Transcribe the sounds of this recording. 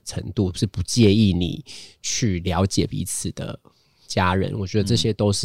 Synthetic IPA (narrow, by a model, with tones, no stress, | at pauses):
ʈ͡ʂʰə̰˧˦ŋt̪u˥˨ʂ̩˥˩pu˧˥t͡ɕjɛ˥˧i˥˩nḭ˨˩t͡ɕʰy˥˩ljɑ˧˥ʊt͡ɕjɛ˨˩pḭ˧˥t͡s̩ʰ˨˩d̪̥ə̰˦ | t͡ɕja˦˥ɻə̰˧˦nwɔ˨˩t͡ɕɥɛ˧˦d̪ə˧ʈ͡ʂɤ˥˨˩ɕjɛ˦t̪o˥ʊʂɻ̩˥˨